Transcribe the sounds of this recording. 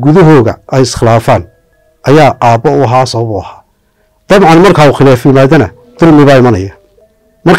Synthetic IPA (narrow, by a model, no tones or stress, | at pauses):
ɡʊðɐɦɔːɣɐ̰ʔɛjɪsχɪlaːfaːn | ʔɐjaːʔaːbɔʊɦaːsɐβɐβʊɐ̰haː | d̪̥ɑβʕɑnmɐrkʰaːʊxɪlaːfjɪmaːðɐnɐ̰ | d̪̥ʊlmɪβaːɪmɐnɐ̰jɐ | mɐrk